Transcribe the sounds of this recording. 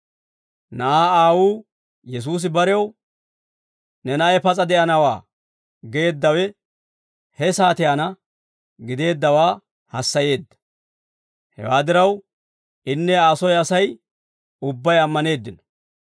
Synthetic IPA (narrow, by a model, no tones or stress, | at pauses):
nɐʔaːaːwuː | jɛs̬uːs̬ɪbɐɾɛw | nɛnɐʔɛpɐt͡sʼɐd̪ɛʔɐnɐwa̰ː | ɡe̞ːd̪ːɐwɛ | hɛsaːt̪ɪjanɐ | ɡɪd̪e̞ːd̪ːɐwaː | hɐsːɐje̞ːd̪ːɐ̥ | hɛ̰waːd̪ɪɾɐw | ɪnːɛaːsɔjɐsɐj | ʊbːɐjɐmːɐne̞ːd̪ːɪnɔ̥